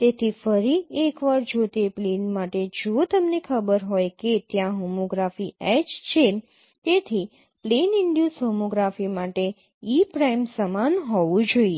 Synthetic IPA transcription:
t̪et̪ʰifəɾiekʋaɾd͡ʒot̪eplenmaʈed͡ʒot̪əmnekʰəbəɾɦojket̪jãɦomoɡɾafiɛt͡ʃt͡ʃʰe | t̪et̪ʰi | plenɪɳɖjusɦomoɡɾafimaʈe | ipɾajmsəmanɦɔʋũd͡ʒoie

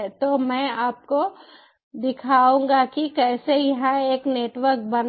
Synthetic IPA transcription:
t̪omɛ̃ːaːp̚ko | d̪ɪkʰaːũːŋɡakikɛːsejɐɦãeːkneːʈʋəɾk̚bɐn

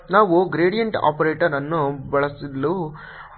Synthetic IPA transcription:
naːʋuɡɾeːɖijɐɳʈa̰ːpɐɾeːʈɐɾɐnːubɐɭɐsilːu

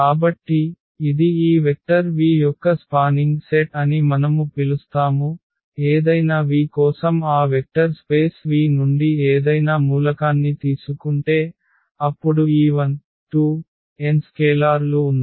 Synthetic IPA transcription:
kaːbɐʈːiː | d̪iiːʋek̚ʈɐɾʋiːjɔkːɐspaːniŋɡseʈɐnimɐnɐmupilust̪aːmu | eːd̪ɐjnaːʋiːkɔːsɐmaːʋek̚ʈɐɾspeːsʋiːnuɳɖieːd̪ɐjnaːmuːlɐkaːnːit̪iːsukuɳʈe̞ː | ɐpːuɽuiːʋɐn | ʈuː | enskeːlaːɾluːnd̪i

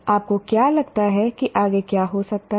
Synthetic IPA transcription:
aːp̚kokjaːlɐɡt̪aɦɛkiʔaːɡekjaːɦosɐk̚t̪a

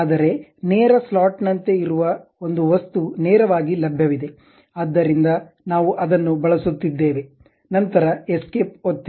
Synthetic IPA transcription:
aːd̪ɐɾe̞neːɾɐslaːʈnɐnt̪e̞iɾuʋɐo̞nd̪uʋɐst̪uneːɾɐʋaːɡilɐbʱjɐʋid̪e̞ | ɐd̪ːɐɾind̪ɐ | naːʋuʔɐd̪ɐnːubɐɭɐsut̪ːid̪ːe̞ːʋe̞ | nɐnt̪ɐɾɐeskeːp̚ot̪ːi

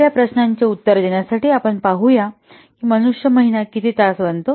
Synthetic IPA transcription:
japɾəɕnaɲt͡ɕjaut̪ːəɾd͡ʑeɳjasaʈiːapəɳpaɦuja | kiːmənuʂjəməɦinakit̪ʰiːt̪asʋənt̪o

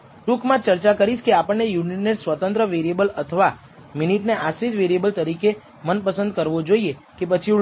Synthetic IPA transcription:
ʈukmãt͡ʃəɾt͡ʃakəɾiʃkeapəɳːejuniʈneʈsʋət̪ə̃nt̪ɾəʋeɾiebələt̪ʰəʋa | miniʈneʔasid͡ʒ̪ʋeɾijebəlt̪əɾike | mənpəsənd̪̚kəɾʋod͡ʒoiekep̬ət͡ʃʰi

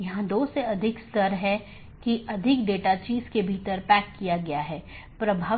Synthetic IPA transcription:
jɐɦãd̪oːseɐd̪ʱɪkst̪əɾɦɛ | kiʔɐd̪ʱɪkɖeːʈat͡ʃiːzkebʱiːt̪əɾpɛːkːijaɡɐjaɦɛː | pɾɐbʱaː

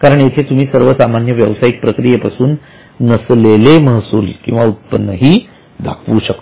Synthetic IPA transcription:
kaɾəɳjet̪ʰet̪um̤iːsəɾʋəsamanjəʋjəʋsajik̚pɾəkɾijepasuːnː | əsleleməɦsṵːlkĩw̃ʋaut̪̚pənːəɦiː | d̪ʱa̰kʰʋuːɕəkto

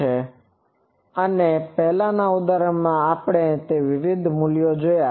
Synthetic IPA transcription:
e | ənepɛɦlãnaud̪aɾəɽmãapɽ̃et̪eʋɪʋɪd̪ʱmuljod͡ʒoja

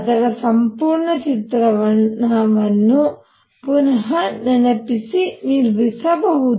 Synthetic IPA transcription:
ɐd̪ɐɾɐsɐmpuːɾɳɐt͡ʃit̪ɾɐʋɐɳɐʋɐnːu | punɐɦɐnɐnɐpisiniɾʋisɐbɐɦud̪

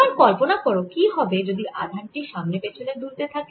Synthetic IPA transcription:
ankɔlponakɔɾokiɦɔbed͡ʑod̪iʔad̪ʱaɳʈiʃamnepet͡ɕʰoled̪uɾt̪et̪ʰake

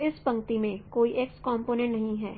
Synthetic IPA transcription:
ɪspɐ̃ŋkt̪imẽkoːiʔekskɔːmpoːnẽʈnɐɦĩɦɛ̰ː

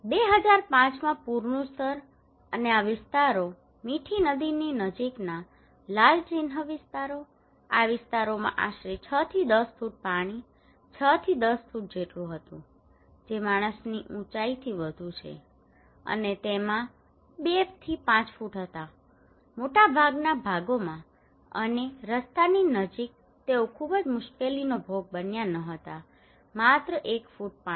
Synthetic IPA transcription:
beɦəd͡ʒaɾpãt͡ʃmãpuɾɳũst̪əɾ | əneaʋɪst̪aɾo | miʈʰinəd̪ininəd͡ʒikna | lalt͡ʃɪnɦəʋɪst̪aɾo | aʋɪst̪aɾomã̰ʔaʃɾit͡ʃʰət̪ʰid̪əsfuʈ̚paɽ̃i | t͡ʃʰət̪ʰid̪əsfuʈ̚d͡ʒeʈlũɦət̪ũ | d͡ʒemaɽ̃əsniʔũt͡ʃait̪ʰiʋəd̪ʱũt͡ʃʰḛ | ə̰net̪emã | bept̪ʰipãt͡ʃfuʈɦət̪a | moʈabʱaɡnabʱaɡomã | ə̰neɾəst̪aninəd͡ʒik̚ | t̪eokʰubəd͡ʒmʊʃkelinobʱoɡ̚bənjanəɦət̪a | mat̪ɾəʔekfuʈ̚pa

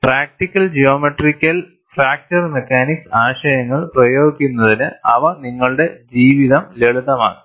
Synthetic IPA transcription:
praːk̚ʈikʲːɐld͡ʑijo̞ːmeʈrikʲːɐl | fraːk̚t͡ɕɐrmekːaːniksaːɕɐjɐŋːɐɭprɐjo̞ːɡikʲːunːɐðinɨɐʋɐniŋːɐɭɨɽe̞d͡ʑiːʋiðɐmleɭuðɐma̰ːɨ

